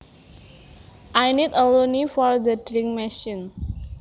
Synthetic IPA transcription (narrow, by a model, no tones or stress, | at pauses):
ʔajnitəlonifɔɹd̪ədɾĩŋmɛʃĩn